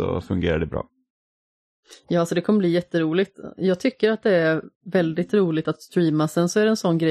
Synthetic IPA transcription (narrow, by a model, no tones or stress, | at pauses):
ɔ̰fɵ̰ŋɡḛːɾa̰ɖɛbɾɑ̰ː | jɑːasɔd̪ɛkʰɔmːəbliːjɛt̪ːəɾuːlɪɡt̪jɑːɡ̚t̪ʰʏkːəɾat̪̚d̪ɛæɾvɛld̪ɪt̪ɾuːlɪt̪at̪st̪ɾiːmasɛnsɔæɖɛnsɔnːɡɾɛ